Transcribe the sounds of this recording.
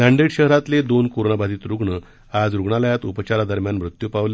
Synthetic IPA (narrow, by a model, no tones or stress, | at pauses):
d̪ãɳɖeɽɕəɦɾat̪led̪onkoɾonabʱad͡z̪iːt̪ɾuɡɳə | ad͡zɾuɡɳaləjat̪upət͡ɕaɾad̪əɾmjanmɾut̪jupaʋle